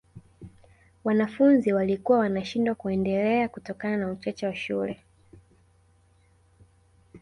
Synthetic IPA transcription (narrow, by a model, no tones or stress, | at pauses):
wanafunziwalikuwawanaʃindwakuɛndɛlɛakutɔkananaut͡ʃat͡ʃawaʃulɛ